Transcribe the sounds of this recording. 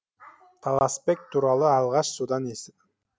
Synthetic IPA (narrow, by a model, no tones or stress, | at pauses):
t̪ʰɑlˠɑspek̚ʲt̪ʰuɾɑlˠəɑlˠʁɑʃsud̪ɑnesɪp